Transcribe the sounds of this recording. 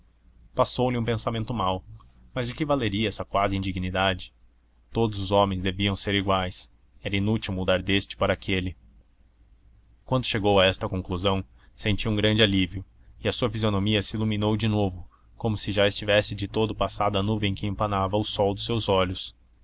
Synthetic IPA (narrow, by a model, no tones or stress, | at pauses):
pasowlɪũpẽsamẽnt̪ʊmawmɐzd͡ʒɪkɪvaleɾiɐɛsɐkwazɪĩnd͡ʒiɡnid̪ad͡ʒɪ̥ | t̪od̪ʊzʊzɔ̃mẽj̃zd̪eviɐ̃w̃seɾiɡwajs | ɛɾɐĩnut͡ʃiwmud̪aɾd̪est͡ʃɪ̥paɾɐakʰelɪ | kwɐ̃nd̪ʊʃeɡowɐɛst̪ɐkõŋkluzɐ̃w̃ | sẽnt͡ʃiwũŋɡɾɐ̃nd͡ʒɪaliviʊ | ɪɐsuɐfizionõmiɐsɪiluminowd͡ʒɪnovʊ | kõmʊsɪʒaɪst͡ʃivɛsɪd͡ʒɪt̪od̪ʊpasad̪ɐnuvẽẽj̃kɪẽmpɐnavɐʊsɔwd̪ʊsewzɔʎʊs